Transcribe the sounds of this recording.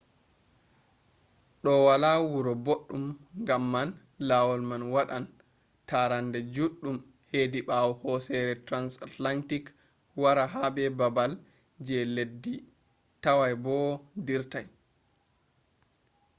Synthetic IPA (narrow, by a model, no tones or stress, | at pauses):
ɗɔwalawuɾɔboɗːumŋɡamːan | lawɔlmanwaɗan | taɾandɛd͡ʒuɗːum | hediɓawɔhɔsɛɾɛtɾansatlantik | waɾaɦabɛbabal | d͡ʒɛledːi | tawajbɔdiɾtaj